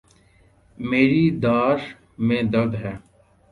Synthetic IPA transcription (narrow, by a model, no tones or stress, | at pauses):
meːɾiːd̪aːʃ | mẽːd̪əld̪ɦɛː